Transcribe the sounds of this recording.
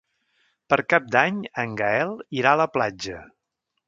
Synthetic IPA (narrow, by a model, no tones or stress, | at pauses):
pəɾkap̚d̪aɲəŋɡəɛlˠiɾaələplad͡ʒə